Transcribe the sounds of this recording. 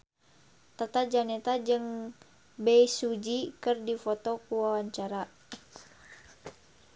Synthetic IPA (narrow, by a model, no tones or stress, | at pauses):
t̪at̪ad͡ʒanɛt̪ad͡ʒɨŋ | bɛisud͡ʒikɨrdifɔt̪ɔkuwawaɲt͡ʃaɾa